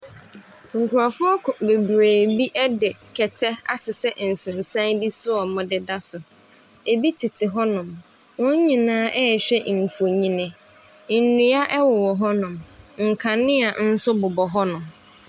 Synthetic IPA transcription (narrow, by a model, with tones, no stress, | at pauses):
ŋ̩˨kʰu˨ɾa˨fʊ˦ɔ˦kʰbe˨bɾeː˨bi˦ʔɛ˦dɪ˨kʰɛ˨tʰɛ˦a̰˦sɪ˨sɛ˦ʔn̩˨sɪ̃˨n˨sã˦nbi˦sʊ˦ɔ˨mʊ̃˦dɪ˦da˦sʊ˨ | e˨bi˦tʰi˨tʰɪ˨ɦɔ˦nʊ̃˨m | wʊ̃˦ɲ˦ɲĩ˨nãː˦ʔɛ˦˨ɕᶣɛ˦ʔŋ̩˨fo˨ɲĩ˨nɪ̃˨˦ | nũ˨a˦ʔɛ˦wɔ˨wɔ˨ɦɔ˦nʊ̃˨mŋ̩˨kʰa˨nɪ̃˦a˨n̩˦sʊ˦bʊ˨bɔ˨ɦɔ˦nʊ̃˨m